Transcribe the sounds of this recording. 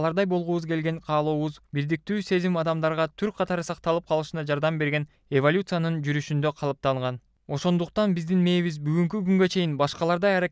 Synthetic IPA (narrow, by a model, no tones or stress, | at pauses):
lˠɑɾd̪ɑjbo̞lˠʁuβuzɡe̞lɡe̞ɴqʰɑːlˠoːβuzbiɾd̪ik̚t̪yːse̞zimɑd̪ɑmd̪ɑɾʁɑt̪ʰyɾk̚qʰɑt̪ɑɾɯsɑq̚t̪ɑlˠɯp̚qʰɑlˠɯʃɯnɑd͡ʒɑɾd̪ɑmbe̞ɾɡe̞n | evolʲut̪sɨjanɯnd͡ʒyɾyʃynd̪ø̞qʰɑlˠɯp̚t̪ɑɴʁɑn | o̞ʃo̞nd̪uqt̪ɑnbizd̪inme̞jβizbyɡyŋk̬yɡyŋɡø̞t͡ʃʰe̞jinbɑʃqɑlˠɑɾd̪ɑjɑɾa